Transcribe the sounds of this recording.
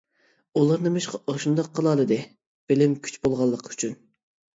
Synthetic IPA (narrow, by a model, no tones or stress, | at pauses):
ulˠɑɾnɨmɪʃqɑʔoʃund̪ɑqʰːəlˠɑlˠɨd̪ɨ | b̥ɪlɪmkʲʰy̥t͡ʃbolˠʁɑlˠːəqʰy̥t͡ʃʰyn